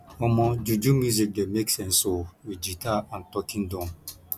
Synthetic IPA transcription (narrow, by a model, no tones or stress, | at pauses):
ɔmɔd͡ʒud͡ʒumjuzik̚demeksɛ̃n̩sowid͡ʒitaan̩tɔkin̩dɔ̃m